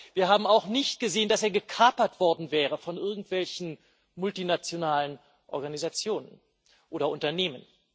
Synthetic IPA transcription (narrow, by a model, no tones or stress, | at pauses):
viːɐhaːbm̩aʊxnɪçt̚ɡ̥əzeːəndaseːɐɡəkʰaːpɐtv̥ɔɐdn̩vɛːʁ̞əfɔnʔɪɐɡŋ̩tv̥ɛlçn̩ | mʊltinat͡sjonaːlən | ʔɔ̰ɐɡanizat͡sjoːnən | ʔʔoːɾɐʊntɐneːmən